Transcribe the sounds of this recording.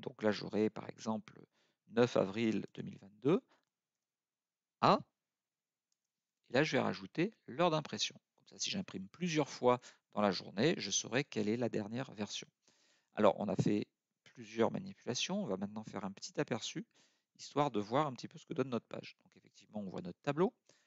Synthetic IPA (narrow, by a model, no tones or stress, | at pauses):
d̪̥ɔ̃klaʒo̰ʁɛpa̰ʁɛ̰ɡzɑ̃plə | nœfa̰vʁild̪̥ə̰mḭlvɛ̃t̪̚d̪ø | a | elaʒəvɛʁa̰ʒut̪elœʁd̪ɛ̃pχesjɔ̰̃kɔ̥msasiʒɛ̃pχimplyzjœʁfwad̪̥ɑ̃laʒṵʁneʒəsə̰ʁɛkɛlɛlad̪ɛʁnjɛʁvɛʁsjɔ̰̃ | a̰lɔ̰ʁɔ̰̃na̰fɛ | plyzjœʁma̰nipylasjɔ̃ɔ̃vamɛ̃t̪nɑ̃fɛʁɛ̃pə̥t̪ʰit̪apɛʁsy | ist̪waʁd̪əvwaʁɛ̃pət̪ipøsə̥kəd̪ɔnːɔt̪χəpa̰ʒd̪̥ɔ̃kefɛk̚t̪ivmɑ̃ɔ̃vwa̰nɔt̪χət̪ablo